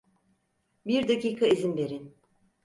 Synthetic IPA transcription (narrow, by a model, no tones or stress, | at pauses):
biɾd̪aciːkʰaizimbe̞ɾin